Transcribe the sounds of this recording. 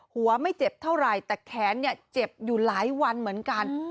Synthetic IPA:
hu˩˦ɐma˥˩jt͡ɕe˨˩p̚t̪ʰa˥˩wɾa˨˩jt̪ɛː˨˩kʰɛː˩˦nːi˥˩ɐt͡ɕe˨˩p̚juː˨˩laː˩˦jwa˧nmɯ˩˦ənka˧n

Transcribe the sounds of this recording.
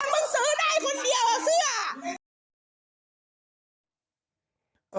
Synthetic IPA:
nmɯ˧˥˨ŋsɤː˨˦daː˥˩jkʰo˧ndi˨˧əwʔa˨˩si˥˩ɐ

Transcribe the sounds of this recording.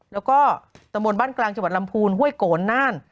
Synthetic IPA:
lɛː˦˥wkɔː˥˩t̪a˧mbo˧nbaː˥˩nklaː˧ŋt͡ɕa˧mwt̪̚la˧mpʰuː˧nɦu˥˩əjkoː˨˩˦nːaː˥˩n

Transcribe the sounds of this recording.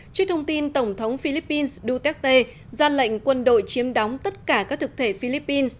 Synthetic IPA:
t͡ɕi˦˥k̚t̪ʰə˧wŋ͡mt̪i˧nt̪ə˧˩wŋ͡mt̪ʰə˨˦wŋ͡mfi˧li˦˥pːi˧nsɗu˧t̪ɛ˦˥k̚t̪e˧ | zaː˧lə̰˧˨jŋ̟kwə˧nɗo̰˧˨jt͡ɕi˨˦əmɗɔ˨˦wŋ͡mt̪ə˦˥t̚kaː˧˩kaː˦˥k̚t̪ʰɨ˨˩k̚t̪ʰe˧˩fi˧li˦˥pːi˧ns

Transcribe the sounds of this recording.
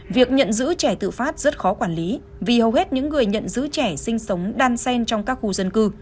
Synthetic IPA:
vi˨˩ək̚ɲə̰˧˨nzɨ̰˧˥t͡ɕɛ˧˩t̪ɨ̰˧˨faː˦˥t̚z̥ə˦˥t̚xɔ˨˦kwaː˧˩nli˨˦ | vi˨˩hə˨˩whe˦˥t̚ɲɨ̰˧˥ŋːɨ˨˩əjɲə̰˧˨nzɨ̰˧˥t͡ɕɛ˧˩sï˧ŋ̟sə˨˦wŋ͡mɗaː˧nsɛ˧nt͡ɕɔ˧wŋ͡mkaː˦˥k̚xu˧zə˧nkɨ˧

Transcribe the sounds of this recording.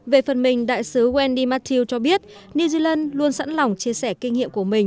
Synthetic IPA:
ve˨˩fə˨˩nmï˨˩ŋ̟ɗa̰ː˧˨jsɨ˨˦ɣwɛ˧nɗi˧maː˧˥t̪ʰi˧wt͡ɕɔ˧ɓi˦˥ət̚ | ni˧zi˧laː˧nlu˧ənsa̰˧˥nla˨˩wŋ͡mt͡ɕi˧əsɛ˧˩ki˧ŋ̟ŋḭ˧˨əmku˧˩əmï˨˩ŋ̟

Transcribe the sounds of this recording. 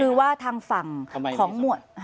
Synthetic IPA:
ɯː˧waː˥˩t̪ʰaː˧ŋfa˨˩ŋkʰɔː˩˦ŋmu˨˩ət̪̚

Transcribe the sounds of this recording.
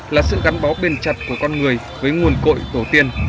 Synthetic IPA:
laː˨˩sɨ̰˧˨ɣa˨˦nɓɔ˨˦wɓe˨˩nt͡ɕa˨˩t̚ku˧˩əkɔ˧nŋɨ˨˩əj | vəː˨˦jŋu˨˩ənko̰˧˨jt̪o˧˩t̪i˧ən

